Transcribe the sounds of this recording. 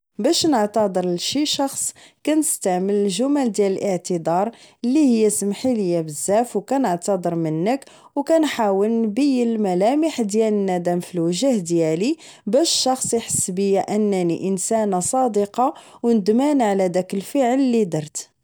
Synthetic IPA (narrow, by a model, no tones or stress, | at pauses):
bæʃnəʕt̪ɑd̪ˤəɾʃiʃɑxsˤ | kænəst̪aʕmələlʒʊmæld̪jæləlʔəʕt̪əd̪ɑɾˤəlːihəjːæsəmħiləjːæbəzːæfwkænəʕt̪ɑd̪ˤəɾmənːək | wkænħawəlnbəjːəlmælæməħd̪jælənːæd̪æmfilwəʒæhd̪jæli | bæʃʃɑxsˤiħə̥sːbəjːæʔənːænḭʔənsænasˤɑd̪əqɑ | wnəd̪mænʕalæd̪ækəlfəʕəlːid̪ɑɾˤt̪